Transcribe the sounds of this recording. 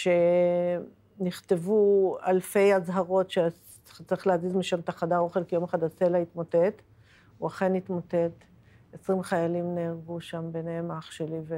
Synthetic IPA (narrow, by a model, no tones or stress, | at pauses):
ʃe | niχt̪e̞vualfe̞jazɦaʁo̞tʃe | t͡saʁiχlehazizmiʃamt̪aχadao̞χelkejo̞maχad̪aselait̪motet | uaχe̞nit̪mote̞t | esʁimχajalimneːʁɡuʃambenehemaχʃelive